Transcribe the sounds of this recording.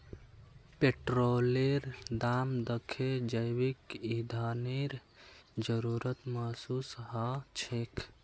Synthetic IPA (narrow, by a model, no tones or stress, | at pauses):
peʈɾoleɾd̪amd̪əkʰed͡ʒəjwikid̪ʱaneɾ | d͡ʒəɾuɾət̪məɦsusɦat͡ʃʰekʰ